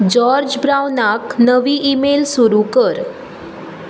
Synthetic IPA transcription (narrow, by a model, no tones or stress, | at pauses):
d͡ʑɔɾd͡ʑbɾawnaknəʋiːʔːmelsuɾukəɾ